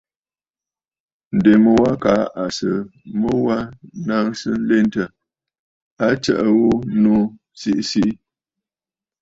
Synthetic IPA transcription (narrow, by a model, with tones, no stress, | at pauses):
n̩˨de˨mə˨wa˦ka˨˦ʔa˨sə˨mə˦wa˦na˦ŋsə˦n̩˦le˦ntə˨ | a˦t͡ʃə̰˦ʔə˨ɣo˦nu˦ | si˦ʔsi˦ʔ